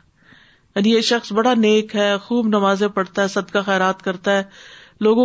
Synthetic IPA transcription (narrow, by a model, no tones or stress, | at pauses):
anijeʃɐxsbɐɽaneːkɦɛːxuːbnɐmaːzẽpɐɽt̪aɦɛːsɐd̪kaxɛːɾaːt̪kɐɾt̪aɦɛː | loːɡõ